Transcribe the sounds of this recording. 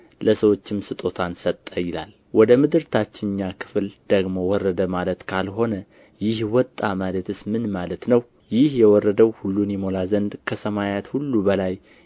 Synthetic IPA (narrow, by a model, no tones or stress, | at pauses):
ləsəwo̞t͡ʃːɪmsɨt̪ʼo̞t̪ʰansət̪ʼːəjɪla̰l | wɔd̪əmɨd̪ɨɾt̪ʰat͡ʃːɪnːakʰɨ̥fld̪̥əɡmo̞wɔrːəd̪əmalət̪kʰalɦo̞nə | jɪhwɔt̪ʼːamalət̪ɨsmɨnmalət̪nəw | jɪhjɛwɔrːəd̪əwhulːunjɛmo̞lazənd̪kʰəsəmajat̪hulːubəlaj